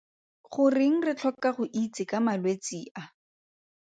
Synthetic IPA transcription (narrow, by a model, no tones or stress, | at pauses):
χʊrɪŋ̩rɪt͡ɬʰɔkaχʊʔit͡sɪkamalwet͡siːʔa